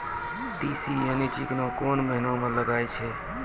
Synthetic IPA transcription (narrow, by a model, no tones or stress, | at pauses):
t̪isijənit͡ʃiknokonməɦnõmeləɡajt͡ʃʰɛ